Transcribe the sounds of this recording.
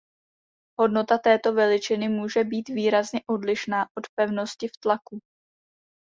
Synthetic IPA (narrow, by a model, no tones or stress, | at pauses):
ɦo̞dno̞t̪at̪ɛːt̪o̞vɛlɪt͡ʃɪnɪmuːʒɛbiːt̪viːɾazɲɛʔo̞dlɪʃnaːʔo̞t̪pɛvno̞scɪft̪laku